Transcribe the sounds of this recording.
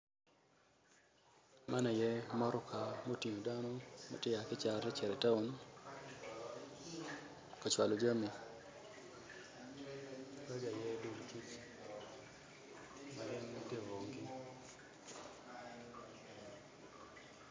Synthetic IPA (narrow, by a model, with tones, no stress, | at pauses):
ma˦na˨jɛ˦mɔ˦ɾɔ˦ka˨mo˦ti˨ɲo˨da˦nɔ˦ma̰˨tɪ˦ja˨kɪ˦t͡ʃa˨ɾɛ˦t͡ʃɛ˨ɾɛ˨ta˦o˦n | ka˨t͡ʃwa˨lo˨d͡ʒa˦mi˨ | ɾa˦ɡa˨jɛ˦do˨dti˦t͡ʃ | ma˨ɾɛ˦n˦te˦wo˨ŋɡɪ˦